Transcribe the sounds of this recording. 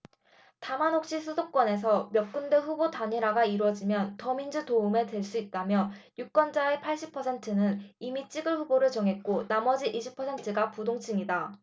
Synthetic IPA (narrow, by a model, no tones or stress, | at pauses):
tamanɦok̚ɕ͈isʰudok͈wʌne̞s̬ʰʌmjʌk̚k͈undeɸubotaɲiɾaɡaiɾwʌd͡ʑimjʌntʌmind͡ʑutoume̞dwe̞ɭs͈uit̚t͈amjʌjuk͈wʌnd͡ʑaepʰaɭɕ͈ipʰʌsʰe̞ntʰɯnɯnimit͡ɕ͈iɡɯɭɸuboɾɯɭt͡ɕʌŋɦe̞t̚k͈onamʌd͡ʑiʔiɕʰipʰʌsʰe̞ntʰɯɡapudoŋt͡ɕʰiŋida